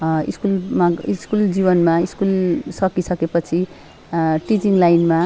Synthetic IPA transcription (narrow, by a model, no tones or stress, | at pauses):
ḭskulmaiskuld͡zibʌnmaiskulsʌkisʌkepʌt͡sʰi | ʈid͡ziŋlajnma